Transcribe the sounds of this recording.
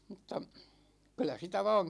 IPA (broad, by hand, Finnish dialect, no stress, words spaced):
m̩tːɑ kylˑæ sitæ ʋɑ̝ːŋ